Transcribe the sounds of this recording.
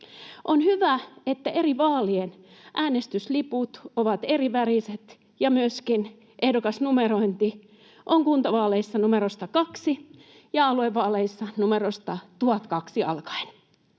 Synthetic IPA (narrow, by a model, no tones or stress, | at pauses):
ʔonhyʋæet̪ːæʔeriʋɑːlien | ʔæːnest̪ysliput̪oʋɑt̪eriʋæriset̪ | jɑmyøskin | ʔehdokɑsnumeroint̪i | ʔoŋkunt̪ɑʋɑːleisːɑnumerost̪ɑkɑksi | jɑɑlueʋːɑːleisːɑnumerost̪ɑt̪uɑt̪kɑksiɑ̰lkɑ̥in